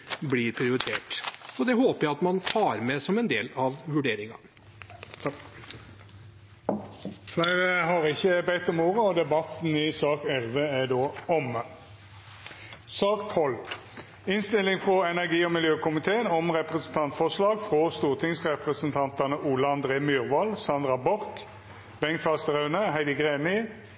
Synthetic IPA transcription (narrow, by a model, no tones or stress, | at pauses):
blɪɾpʰɾɪʊɾɪt̪ʰeːʈɔd̪ɛɦoːpəjæɪɑt̪mɑnt̪ʰɑːɾmɛsɔmɛnd̪eːlɑʋʋʉɖeːɾɪŋɑ̰ | flæɪɾəhɑɾɪçːəbɛɪt̪ɔmoːɾəɔd̪ɛbɑt̪n̩ɪsɑːkɛlʋəæɖ̪oːɔm | sɑːkt̪hɔlt̪ | ɪnst̪ɪlːɪŋfʁɔɛnæʁɡiːɔmɪljøːkʊmɪt̪ʰeːənɔmʁɛpʁəsən̩t̪ʰɑnt̪fɔʁslɑːɡfʁɔst̪uːʁt̪ʰɪŋsʁɛpʁəsənt̪ʰɑnt̪ɑnəʔuːlɑɑnd̪ʁeːmyːʁʋɑlsɑnd̪ʁɑbɔʁk | bɛŋt̪fɑst̪əʁœʉnəhæɪd̪ɪɡʁeːnɪ